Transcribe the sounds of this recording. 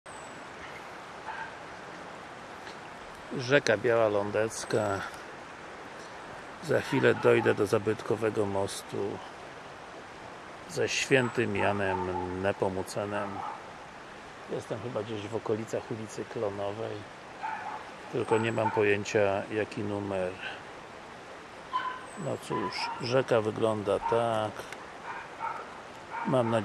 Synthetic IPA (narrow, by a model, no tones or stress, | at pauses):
ʐɛkabʲjawalɔnd̪ɛt̪ska | zaxfʲilɛd̪ɔjd̪ɛd̪ɔzabɘt̪kɔvɛɡɔmɔst̪ṵ | zɛɕfʲjɛnt̪ɘmjanɛmnɛpɔmut̪sɛnɛm | jɛst̪ɛmxɘbad͡ʑeʑvɔkɔlʲit̪saxulʲit̪sɘklɔnɔvɛj | t̪ɘlkɔɲɛmampɔjeɲt͡ɕajakʲinumɛɾ | nɔt̪suʂʐɛkavɘɡlɔnd̪at̪ak | mamna